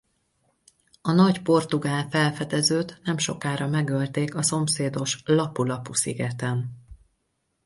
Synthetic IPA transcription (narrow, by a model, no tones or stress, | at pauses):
ɒnɒɟpo̞rt̪uɡaːlfɛlfɛd̪ɛzøːt̪nɛmʃo̞kaːɾɒmɛɡølt̪eːkɒso̞mseːd̪o̞ʃlɒpulɒpusḭɡɛt̪ɛn